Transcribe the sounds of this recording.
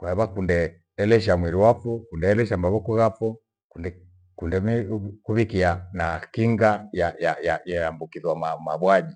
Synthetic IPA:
kwaɛβakundɛː | lɛʃ̬amwiɾiwafɔkundɛːlɛʃambaβɔkuɣafɔ | kundɛ | kundɛmikuβikianakiŋɡajajajajaambukiðwamamaβwad͡ʒi

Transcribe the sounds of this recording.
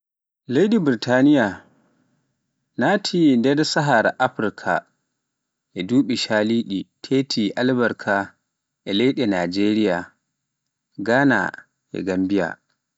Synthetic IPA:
lejɗibɾitʰanija | naːtʰindɛdsaɦaɾaʔaɸɾkʰa̰ | ʔɛduːɓiʃaliːɗitʰeːtʰiʔalbaɾkʰa | ʔɛlejɗɛnaːd͡ʒeːɾija | ɡaːna̰ | ʔɛ̰ɡambija̰

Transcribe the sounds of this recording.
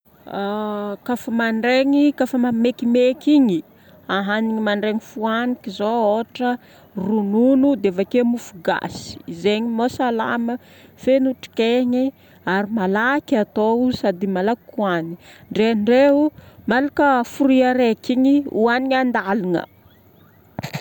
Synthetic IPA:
akafəmaɳɖ͡ʐeŋikafəmamekimekiɲi | aɦaniŋimaɳɖ͡ʐeŋifuanikizooʈ͡ʂə | rununud̪eavakemufuɡa̰si̥izeɲimasala̰mə | fenuʈ͡ʂi̥keɲi | aɾimalakat̪ousad̪imalakuaniɳɖ͡ʐeɳɖ͡ʐeumalakəfuɾiaɾekiɲiuaniɲand̪aliŋə̰

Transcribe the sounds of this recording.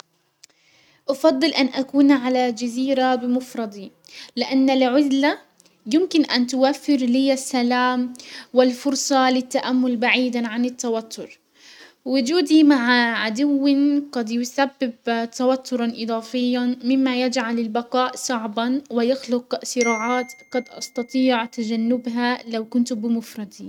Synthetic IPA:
ʔɑfɑd̪ˤːɨlʔanʔakuːnʕalad͡ʒaziːɾabɪmʊfɾˤɑd̪ˤi | lɪʔanːalʕʊzla | jɪmkɪnʔant̪ʊwafːɪɾliːasːalaːmwɪlfʊɾˤsˤɑlɪt̪ːaʔamːʊlbaʕiːd̪ʕanɪt̪ːawat̪ʰːʊɾ | wʊd͡ʒuːd̪imaʕʕad̪ʊwːɪnqɑd̪jʊsabːɪbt̪awat̪ʰːʊɾˤɑnʔɨd̪ˤɑːfɪjːanmɪmːajad͡ʒʕalɪlbaqɑːʔsˤɑʕbɑnwɪjaxlʊqsɨɾɑːʕaːt̪qɑd̪ʔɑ̰st̪ɑt̪ˤiːʕt̪ad͡ʒanːɪbɦalawkʊnt̪bɪmʊfɾˤɑd̪in

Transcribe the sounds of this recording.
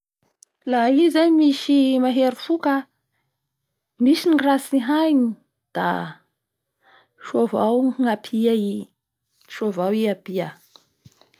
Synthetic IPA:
laizaɲmiʃimaɦeɾifukə | miʃinrasiɦajni | d̪̥a̰ | ʃovawŋapʰiai | ʃovawiapia

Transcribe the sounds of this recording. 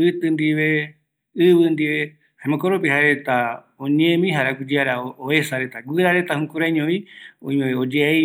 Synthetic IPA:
ɨt̪ɨnd̪iβe | ɨβɨnd̪iʋe | haẽmõkoɾopeɦaɾe̞t̪a | õɲẽmĩɦaɾaɡʷud͡ʒiaɾaoesaɾet̪aɡʷɨɾaɾe̞t̪ahũkuɾaɲõĩõ̰ĩẽeod͡ʒea

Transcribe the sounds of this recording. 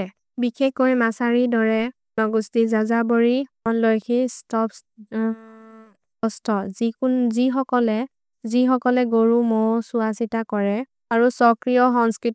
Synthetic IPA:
bikʰekojmasaɹidɔɹɛ | nɔɡustizazaboɹiɔnlojkʰistɔps | ɔstɔzikunzixɔkɔlɛ | zixɔkɔlɛɡoɹumɔwsuasitakɔɹɛ | aɹusɔkɹijɔxɔŋskɹit

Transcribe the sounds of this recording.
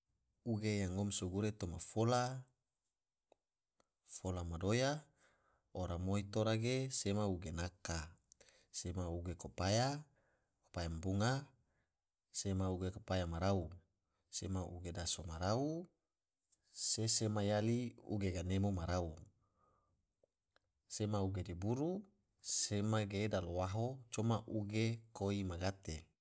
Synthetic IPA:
uɡejaŋɔmsuɡuɾet̪omafola | folamadoja | oɾamoit̪oɾaɡesemauɡenaka | semauɡekopaja | ko̥pajambuŋa | semauɡekopajamaɾau | semaʔṵɡedasomaɾau | sesemajaliṵɡeɡanemomaɾau | semauɡedibuɾu | semaɡeːdalowaɦot͡ʃomaʔuɡekoimaɡat̪e

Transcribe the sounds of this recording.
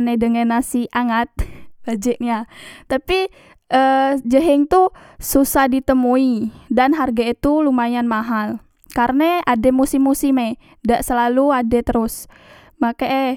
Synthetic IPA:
anedəŋənasiʔaŋat̪̚b̥ad͡ʒəʔɲat̪api | ʔəd͡ʒəɦɛŋt̪u | susahdit̪əmuidanɦarɡait̪ulumajanmaɦal | karəneʔademusɪmːusɪme | daʔsəlaluadet̪əɾʊs | makaʔ

